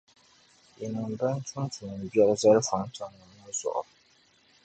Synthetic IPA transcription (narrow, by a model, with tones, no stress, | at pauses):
i˨nɨ˨mba˦n˦tʊ˦ntu˨nɨ˨m˨bjɛ˦lɨ˦za˦ɾɨ˦fa˨n˦ta˨ŋːɨ˨nːa˦zɔ̰˨ʔʊ̰˨b